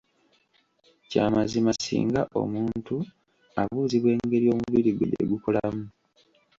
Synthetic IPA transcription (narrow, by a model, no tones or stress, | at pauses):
caːmazimasḭːŋɡaʔo̞̰muːntu | aβuːziβwe̞ːŋɡe̞ɾio̞ːmuβiɾiɡudeḛɡukolamu